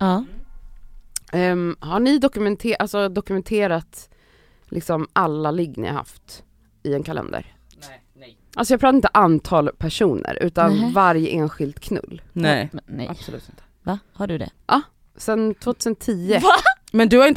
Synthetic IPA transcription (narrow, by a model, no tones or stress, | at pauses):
ɑ | haɳɪd̪ɔkɵmɛnt̪ʰeːʔalsɔd̪ɔkɵmɛnt̪ʰeːɾat̪ | lʔɪksɔmʔalːalɪɡːnɪ̰ha̰ha̰ft̪ | ɪɛnkʰalɛ̰nd̪ə̰ɾ | ʔalsɔjɑːɡpɾɑt̪aɪnt̪əʔant̪ʰɑːlpʰæʂuːnʔə̰ɾʉ̟ːt̪anvaɾjəʔeːnɧɪld̪kʰnɵ̰lːnɛʔa̰b̥sɔlʉ̟ːt̪ɪnt̪ə̥vahaɖɵd̪ɛ̰ʔɑ | sɛnt̪ʰv̥oːt̪ʰʉ̟ːsənt̪ʰiːə | mɛnd̪ɵhaɾɪn